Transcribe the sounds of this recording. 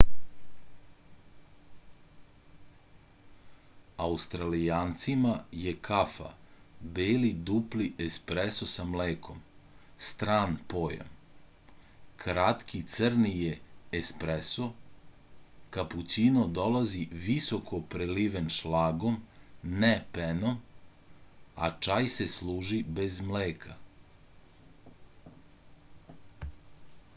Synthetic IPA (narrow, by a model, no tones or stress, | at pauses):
aust̪ɾalijaːnt̪simajekʰafa̰beːlid̪upliespɾesosamleːkʰo̞mst̪ɾaːnpo̞ːja̰m | kɾat̪kit̪sr̩nijeːspɾeso | kaput͡ɕinod̪o̞laziʋisokʰopɾeliʋenʃlaːɡo̞mnepenom | a̰t͡ʃajseslˠuːʒibe̞zmleːkʰa